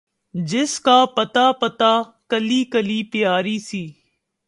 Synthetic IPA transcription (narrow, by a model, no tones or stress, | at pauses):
d͡ʒɪskaːpət̪aːpət̪aːkəliːkəliːpɪjaːɾiːsiː